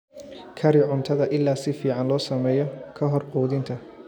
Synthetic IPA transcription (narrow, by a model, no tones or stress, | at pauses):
kʰɐɾɪʕʊnt̪ʰɐðɐʔɪlːaːsɪfiːʕɑnlɔːsɐmɛːjɔkʰɐɦɔrqɔːðɪnt̪ʰɐ